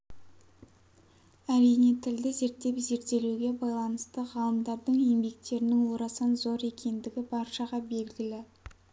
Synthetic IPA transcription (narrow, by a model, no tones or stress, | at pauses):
æɾijnet̪ʰɪld̪ɪze̞ɾt̪ːe̞pze̞ɾt̪ːe̞luɡʲe̞bɑjlˠɑnəst̪əʁɑlˠəmd̪ɑɾd̪əɴjembe̞k̚t̪e̞ɾɪnɪŋwo̞ɾɑsɑnzo̞ɾe̞kʲʰe̞nd̪ɪɡʲɪbɑɾʃɑʁɑbe̞lɡʲɪlɪ